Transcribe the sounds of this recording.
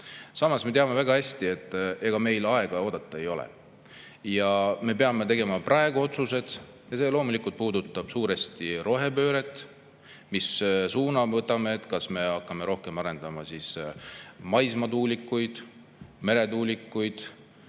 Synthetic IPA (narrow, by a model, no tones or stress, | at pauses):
sɑmɑsme̞t̪eɑme̞væɡ̥ɑhæsʲt̪ie̞t̪ːˑe̞ɡ̥ɑme̞jlɑeɡ̥ɑo̞ːd̪̥ɑt̪ˑːɑe̞jo̞lɛ̰ | jɑme̞peɑme̞t̪e̞ɡemɑprʔɑeɡ̥uo̞t̪suse̞d̪̥ | jɑse̞ːlo̞ːmulikult̪̚puːd̪ut̪ːˑɑb̥suːɾest̪iɾo̞ɦe̞pø̞ːɾe̞t̪ˑː | missuːnɑvɤt̪ːˑɑmeːt̪ːˑkɑsme̞ɑkˑːɑme̞ɾo̞hke̞mɑɾe̞nd̪̥ɑmɑsis | mɑjsmɑt̪uːlikːˑujd̪̥ | me̞ɾe̞t̪uːlikːujd̪̥